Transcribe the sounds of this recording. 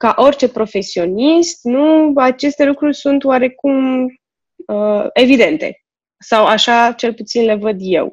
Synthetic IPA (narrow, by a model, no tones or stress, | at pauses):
kaʔo̞rʲt͡ʃe̞pɾo̞fe̞sio̞nist̪nuat͡ʃe̞st̪e̞lukɾurʲsunt̪waɾe̞kum | əe̞vid̪e̞nt̪e̞̰ | sawaʃat͡ʃe̞lput̪sinle̞vəd̪je̞̰w